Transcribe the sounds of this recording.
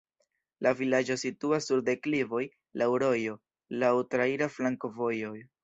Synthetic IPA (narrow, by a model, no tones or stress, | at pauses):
lavilad͡ʒo̞situasːuɾde̞klivo̞j | lʔawɾo̞jo̞ | lawtɾaiɾaflaŋko̞vo̞jo̞j